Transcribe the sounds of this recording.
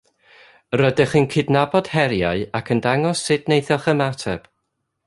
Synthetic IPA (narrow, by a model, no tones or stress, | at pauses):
rədɪχənkʰɪdnabɔd̥hɛɾjaɨakʰəndaŋɔsɨdnejθjɔχəmatʰɛb̥